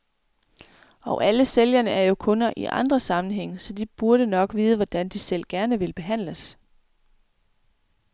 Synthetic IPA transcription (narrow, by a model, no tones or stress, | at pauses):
ɒ̽ʊʔæləseljɐnəæɐjo̝kʰɔ̽nɐʔḭʔɑ̈nd̥ʁɐsɑ̈mn̩ɦeŋ̰sɒ̽d̥ib̥uɐɾ̥ənɒ̽ɡ̥ʋiːð̞ˠʋɒd̥ænd̥isel̰ɡ̥æɐnəʋe̝lb̥e̝ɦæn̰ləs